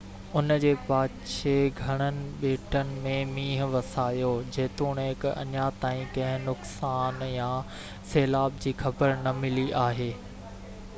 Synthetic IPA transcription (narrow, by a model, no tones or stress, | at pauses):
ʊnəd͡ʑeːpaːtʃeɡʱɐɽ̃ənɪ̆ɓeːʈənɪ̆mẽmiːɦʋɐsaːjod͡ʑeːt̪uːɽ̃ɦɪkɐ̰ɲat̪aːĩkɐ̃ɦɪ̃nʊksaːnjã | seːlaːb̚d͡ʑiːxɐbəɾnɐmɪliʔaːɦeː